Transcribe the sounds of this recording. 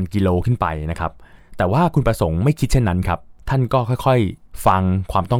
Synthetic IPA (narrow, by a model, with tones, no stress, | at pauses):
nki˧loː˧kʰɯ˥˩npa̰˧jna˦˥kʰa˦˥p̚t̪ɛː˨˩waː˥˩kʰu˧npɾa˧so˩˦ŋma˥˩jkʰi˦t̪̚t͡ɕʰe˥˩nːa˦˥nkʰa˦˥p̚t̪ʰa˥˩nkɔː˥˩kʰɔ˥˩jkʰɔ˥˩jfa˧ŋkʰwaː˧mt̪ɔ˥˩